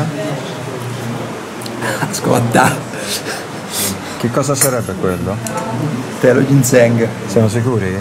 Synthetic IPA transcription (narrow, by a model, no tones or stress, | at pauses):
sko̰lt̪a | k̟ikːɔːzasaɾɛbːekwelːo | t̪ɛloɟinsɛŋɡsjamos̬ikuːɾi